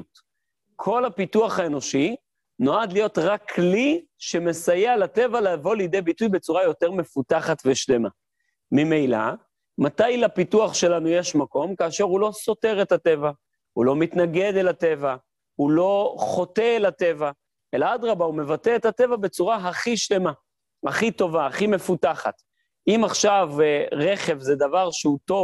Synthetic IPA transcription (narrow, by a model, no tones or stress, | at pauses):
t | kʰo̞lapituaχaeno̞ʃi | no̞ad̪lijo̞t̪ʁakʰliʃe̞me̞sajealate̞valaavo̞lijde̞jbitujbe̞t͡suʁajo̞te̞ʁme̞futaχatveʃle̞ma̰ | mimejla̰ | matajlapituaχʃe̞lanuje̞ʃmako̞mkaːʃe̞ʁulo̞so̞te̞ʁe̞tate̞va | hulo̞mit̪naɡe̞d̪elate̞va | hulo̞χo̞t̪e̞ːlate̞va | elaadʁabaume̞vateethat̪e̞vabe̞t͡suʁaɦaχiʃle̞ma | haχit̪o̞vaaχime̞futaχa̰t̪ | ʔimaχʃavʁe̞χe̞vzed̪avaʁʃeut̪o̞v